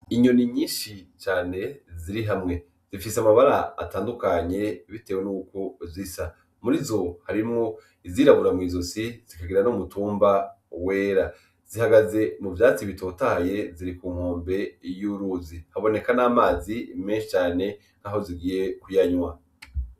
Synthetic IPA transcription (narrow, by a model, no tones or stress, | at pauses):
iɲoniɲiːʃit͡ʃaːne̞ziɾiɦamŋe̞ | z̥ifisamaβaɾaa̰taːndukaɲe̞βite̞ːwenuːko̞zisa | muɾizo̞haɾimŋo̞ | iziːɾaβuɾamŋiːzo̞siz̥ikaɡiɾanomutuːmba | we̞ːɾa | z̥ihaɡaze̞muvjaːt͡siβito̞ːtaje̞ziɾikuːm̥hoːmbe̞juɾuzihaβo̞ne̞kanaːmaːzimeːnʃit͡ʃaːne̞ | n̥aɦo̞ziɡiːje̞kujaɲwa